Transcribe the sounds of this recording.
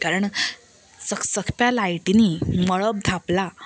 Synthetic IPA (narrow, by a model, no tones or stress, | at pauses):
kaɾəɳ | səksəkʰpjalajʈiniməɭəb̚d̪ʱapla